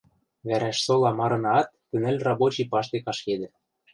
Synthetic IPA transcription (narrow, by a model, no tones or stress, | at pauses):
βæɾæʃsolɑmɑɾɤ̆nɑt̪ːɘ̆nɘ̆lʲrɑbot͡ɕipɑʃt̪ekɑʃked̪ɘ̆